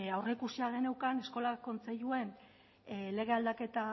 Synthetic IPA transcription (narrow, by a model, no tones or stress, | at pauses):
awre̞ikusiaɣe̞newkane̞sko̞lako̞nt͡seʎue̞n | le̞ɣ̞e̞ald̪ake̞t̪a